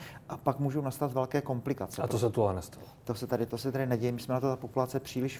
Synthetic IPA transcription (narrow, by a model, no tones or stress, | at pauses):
ʔapakmuːʒunast̪at̪vɛlkɛːko̞mplɪkat͡sɛatp̪osɛt̪ualɛnɛst̪alot̪osɛt̪adɪt̪o̞sɛt̪adɪnɛɟɛjɛmɪsmɛnat̪ot̪apopulat͡sɛpr̥iːlɪʃ